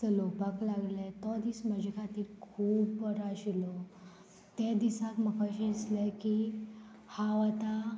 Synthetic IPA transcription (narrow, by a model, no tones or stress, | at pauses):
əlopaklaɡlet̪ɔd̪isməd͡ʑkʰat̪iːlkʰuːbəɾaɕilɔ | t̪ed̪isakməkʰəɕẽisleki | haʋat̪a